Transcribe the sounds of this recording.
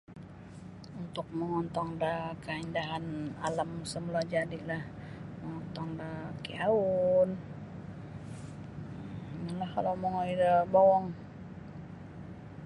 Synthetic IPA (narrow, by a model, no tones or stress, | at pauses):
unt̪ʊk̚məŋɔnt̪ɔŋdəkaindaɦana̰lamsəmulad͡ʒadilahməŋɔnt̪ɔŋdəkiaun | ŋalahkalowməŋɔidəbɔwɔŋ